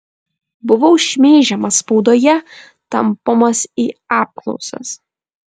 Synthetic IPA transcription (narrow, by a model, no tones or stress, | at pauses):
bʊʋɐʊʃʲmʲeːʒʲɛmɐspɒʊd̪oːjɛ | t̪ɐmpomɐsiːɑːp̚klˠɔ̰ʊsɐ̰s